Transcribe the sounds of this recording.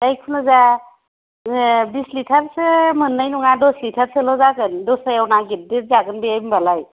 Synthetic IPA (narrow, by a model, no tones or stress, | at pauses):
dajkʰunɯza | bislitʰaɾsɯmɯnːajnuŋadɔslitʰaɾsɯlɔzaɡɯndɔsajawnaɡit̚diɾ̚zaɡɯnbejambalaj